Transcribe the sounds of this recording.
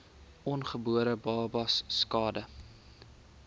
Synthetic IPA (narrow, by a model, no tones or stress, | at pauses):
ɔnχəbuəɾəbɑːbɐsːkɑːdə